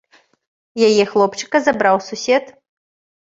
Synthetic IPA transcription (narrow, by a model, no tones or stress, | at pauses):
jajɛxlˠɔpt͡ʂɨ̥kɐzabɾawsusʲɛt̪